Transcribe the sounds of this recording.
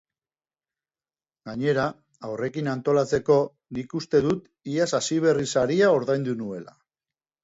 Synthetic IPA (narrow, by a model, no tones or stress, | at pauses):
ɡaɲe̞ɾaː | wre̞kinant̪o̞lat͡se̞ko̞ | nikust̪e̞ðut̪ | iasasiβ̞e̞risaɾiao̞ɾðajnd̪unue̞la̰